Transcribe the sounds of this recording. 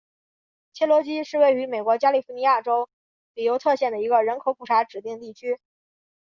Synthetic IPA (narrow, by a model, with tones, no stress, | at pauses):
t͡ɕʰjɛ˥lwɔ˧˥t͡ɕi˥ʂɻ̩˥˧we˥˩ɪy˧˥me˨˩ɪkwɔ˧˥t͡ɕja˥li˥˩fu˧˥ni˧˥ja˥˩ʈ͡ʂo˥ʊ | li˨˩jo˧˥ʊt̪ʰɤ˥˧ɕjɛ˥˩nd̪ə˩i˧˥ɡə˧ɻə˧˥nkʰo˨˥ʊpu˨˩ʈ͡ʂʰa˧˥ʈ͡ʂɻ̩˨˩t̪i˥˧ŋt̪i˥˩t͡ɕʰy˥